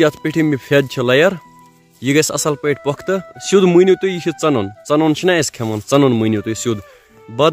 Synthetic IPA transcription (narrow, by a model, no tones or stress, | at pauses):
jɐt̪ʰpiʈʰimːipʰed̪t͡ʃʰɐlɐjɐɾ | jiɡɐsɐ̰sɐlpɐjʈ̚ʰʲpɔkʰt̪ɨsud̪munʲit̪ujikʰit͡sɐnont͡sɐnont͡ʃʰinaeskʰemɐnt͡sɐnonmujnjit̪ujsud̪ | bɐd̪